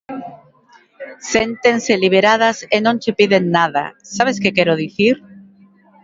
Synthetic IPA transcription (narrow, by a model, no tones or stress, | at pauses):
sent̪enseliβ̞eɾað̞asenõnt͡ʃepiðenːaða̰saβ̞eskekɛɾoðiθiɾ